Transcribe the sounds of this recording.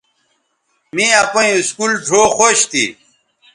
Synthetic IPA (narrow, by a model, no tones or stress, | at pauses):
mĩɐpõĩiskuːlʈʰoːxoɕt̪ḭ